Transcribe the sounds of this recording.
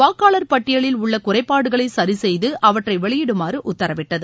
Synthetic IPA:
ʋaːkːaːɭɐɾpɐʈːɪjɐɭɪlʊɭːɐkʊrɐɪpːaːɽɯɣɐɭɐɪsɐɾisɛjðɯʔɐʋɐʈrɐɪʋɛɭɪjɪɽɯmaːrɯʔʊt̪ːɐɾɐʋɪʈːɐðɯ

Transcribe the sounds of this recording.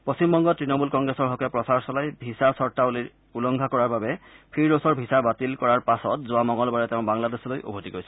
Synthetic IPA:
posimbɔŋɡɔtɹinɔmulkɔŋɡɹesɔɹɦɔkɛpɹɔsaɹsɔlajbʱisasɔɹtauliɹ | ulɔŋɡʱakɔɹaɹbabɛpʰiɹosɔɹbʱisabatilkɔɹaɹpasɔt̚zʊwamɔŋɔlbaɹɛteʊ̃baŋladesɔlojʔo̰bʱotikojsɛ

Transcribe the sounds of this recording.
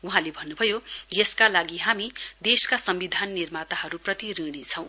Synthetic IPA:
uɦãlebʱʌnːubʱʌjojeskalaɡiɦamid̪eskasʌmbid̪ʱanːirmat̪aɦʌɾuprʌt̪iɾiɽ̃it͡sʰʌ̃w̃

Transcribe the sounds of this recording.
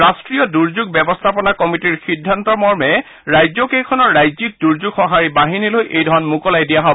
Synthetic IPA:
ɹastɹijɔduɹzuɡ̚bɛbɔst̪ʰapɔnakɔmitiɹxidʱːantɔmɔɹmɛ | ɹajzɔkejkʰɔnɔɹːajzik̚duɹzuɡxɔɦaɹibaɦinilojʔejdʱɔɹɔnmukɔlajdijaɦɔ

